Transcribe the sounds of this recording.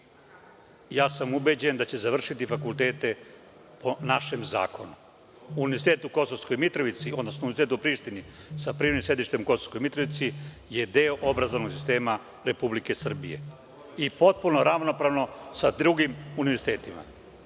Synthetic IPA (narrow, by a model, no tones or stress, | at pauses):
jaːsamube̞d͡ʑe̞nd̪at͡ɕe̞zaʋr̩ʃit̪ifakulˠt̪e̞ːt̪e̞ | po̞naʃe̞mza̰ːkʰo̞nu | uːniʋeɾzit̪eːt̪uko̞sosko̞jmit̪ɾoʋit̪sio̞d̪no̞snounizit̪et̪upɾiːʃt̪inisapɾiʋenimsje̞d̪iʃt̪emuko̞so̥skojmit̪ɾo̞ʋit̪si | jed̪eoʔo̞bɾazoʋnoɡsi̥st̪e̞ːma | ɾe̞publike̞sr̩bije̞̰ | ipo̞t̪̚punoɾaʋno̞pɾaːʋno̞sad̪ɾuɡimuniʋeɾzi̥t̪e̞ːt̪ima̰